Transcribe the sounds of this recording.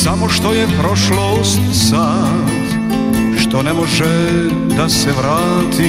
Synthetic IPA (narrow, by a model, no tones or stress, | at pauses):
samoʃt̪o̞jepɾoʃlo | st̪isaː | t̪ | ʃt̪o̞nemoʒe | d̪aseʋɾaːt̪ʰi